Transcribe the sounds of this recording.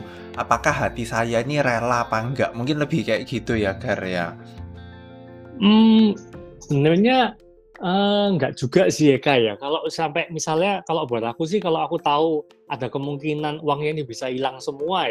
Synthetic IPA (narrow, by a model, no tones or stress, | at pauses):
ʔapakahɦat̪isajainirelapaŋɡaʔmuŋkɪnləb̥ihkajaʔɡ̥it̪ujaɡaɾea̰ | m̩ | b̥ənərɲa | əŋɡaʔd̥ʒ̥uɡa̤ʔsihekajakaloʔsampɛmisalɲakaloʔb̥aɾakus̬ɪhkaloʔakut̪au | ada̤kəmuŋkinanuwaŋjaŋd̪ib̥isailaŋsəmua